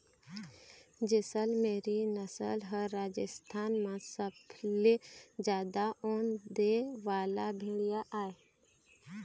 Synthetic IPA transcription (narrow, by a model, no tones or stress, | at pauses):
d͡ʒɪsəlmeːɾinəsə̰lɦəɾːaːd͡ʒəst̪ʰaːnmãsəbʰled͡ʒjaːd̪aoːnd̪eʋaːlabʱeːɽɪjaʔaːe